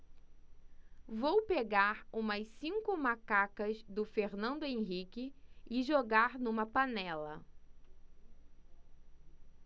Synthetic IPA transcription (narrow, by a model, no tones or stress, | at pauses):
vowpeɡaɾũmɐsĩŋkʊmakakɐzd̪ʊfeɾnɐ̃nd̪ʊẽɦikɪɪʒoɡaɾnũmɐpanɛlɐ̰